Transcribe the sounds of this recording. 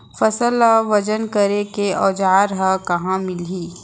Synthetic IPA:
fɐsəlaʋɐd͡ʒənkəɾekeɔːd͡ʒaːɾɦakɐɦãmɪliː

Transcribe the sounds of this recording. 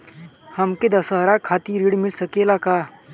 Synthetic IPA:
hɐmked̪əsəɦɾakʰaːt̪iɾiɽmɪlsəkelakaː

